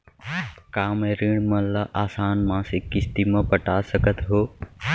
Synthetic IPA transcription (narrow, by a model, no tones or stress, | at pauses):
kaːmeɾiːɳ̃mɐlaʔaːsaːnmãːsekɪst̪iːmãːpəʈaːsəɡʱət̪ʰɦoː